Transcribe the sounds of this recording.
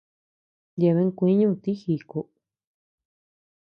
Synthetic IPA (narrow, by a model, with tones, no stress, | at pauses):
d̪e˧βe˧˦ŋ˦˧kʷĩ˧˦ɲũ˦˧t̪i˦xi˧˨ko˧